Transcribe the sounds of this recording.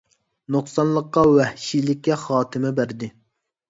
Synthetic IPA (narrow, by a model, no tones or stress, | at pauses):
noχsɑnlˠəqːɑwɛhʃilɪkʲːɛχɑːt̪ʰɪmɛbæɾd̪ɪ